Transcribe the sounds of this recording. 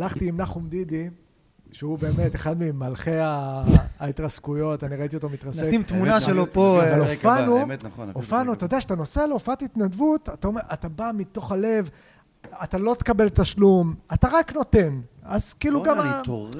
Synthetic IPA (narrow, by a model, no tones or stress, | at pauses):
alaχt̪iːmnaχumd̪id̪i | ʃeube̞ːme̞t̪eχad̪mimalχe̞aː | it̪ʁaskujo̞taniʁait̪io̞t̪omit̪ʁaseimt̪munaʃelopoavalofanuofanuat̪ajod̪eaʃat̪ano̞seleofatit̪nadvut̪at̪ao̞meʁat̪abamit̪o̞χale̞v | atalo̞t̪e̥kabe̞lt̪aʃlumataʁakno̞t̪e̞nazkiiːluɡama